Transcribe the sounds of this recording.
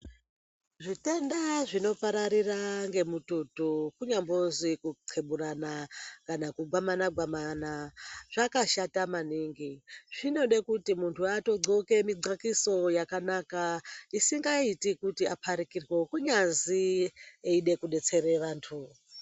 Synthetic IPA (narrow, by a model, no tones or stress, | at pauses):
ʐite̞ndaʐino̞paɾaɾiraŋɡe̞mututukuɲambozikuǃʰeɓuranakanakuɡʱwamanaɡwamanaʐ̥akaʃatamaniːŋɡiʐino̞ɗekutimuntʰuato̞ɡ͡ǀoke̞miɡ͡ǀakiso̞jakanakaisiŋɡaitikutiapʰaɾikirwekuɲanzieiɗe̞kuɗe̞t͡se̞reʋaːntʰu